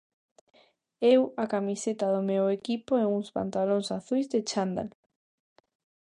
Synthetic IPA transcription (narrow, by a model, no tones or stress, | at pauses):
ewakamiset̪aðʊmewekipoeŋuŋspa̰nt̪alõŋsaθujzðet͡ʃand̪a̰l